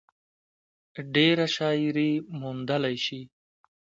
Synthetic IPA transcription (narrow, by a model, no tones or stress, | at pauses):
ɖeɾaʃɑːjɾimund̪əlajʃi